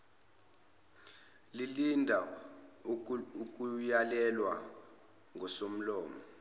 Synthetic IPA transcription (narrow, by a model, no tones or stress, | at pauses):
lilindʱa | uk̬ʼujalɛlwa | ŋʱɔsom̩lɔːmɔ